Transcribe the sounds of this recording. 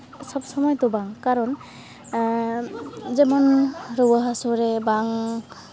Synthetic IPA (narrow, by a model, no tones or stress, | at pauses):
sɔb̚sɔmɔjt̪ɔbaŋkaɾɔn | zɛmɔnɾɔwaɦasɔɾebaŋ